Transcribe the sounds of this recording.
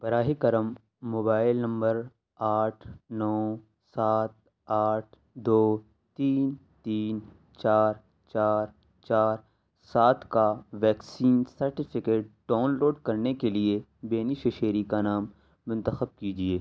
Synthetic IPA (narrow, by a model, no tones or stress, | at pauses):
b̥ɐɾaːɦikɐɾəmː | oːbaːɪlnɐ̃mbəɾ | aːʈʰnɔː | saːt̪̚ | aːʈ̚ʰ | d̪oː | t̪iːn | t̪iːn | t͡ʃaːɾ | t͡ʃaːɾ | t͡ʃaːɾ | saːt̪ʰkaʋɛːksiːnsɐɾʈɪpʰɪkeːʈ̚ɖaːnloːɖkɐɾnekeliebeːniʃeʃeːɾikanaːmː | ʊ̃nt̪əxəb̚kid͡ʒieː